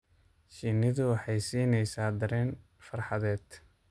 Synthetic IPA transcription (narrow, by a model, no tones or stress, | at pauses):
ʃiːnɪðʊwɑħɑjsiːnɛjsaːd̪ɐɾɛːn | fɐrħɑðɛːd̪